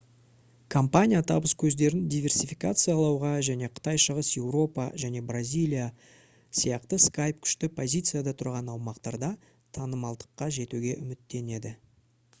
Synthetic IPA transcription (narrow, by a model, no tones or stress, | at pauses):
kʰompanʲijat̪ʰɑbəskʲʰɵzd̪e̞ɾɪnd̪ijvʲe̞rsʲifikat̪sɨjalˠɑwʁɑʒæne̞qʰə̥t̪ɑjʃəʁəsje̞wɾo̞pɑ̰ʒæne̞brazʲijlʲˠija | sijɑqt̪əskajp̚kʲʰʏ̥ʃt̪ɪpʰo̞zʲijt̪sɨjad̪ɑt̪ʰʊɾʁɑnɑwmɑqt̪ɑɾd̪ɑ | t̪ʰɑnəmɑlˠd̪ə̥qːɑʒe̞t̪uɡʲe̞ʔʏmɪt̪ːe̞ne̞d̪ɪ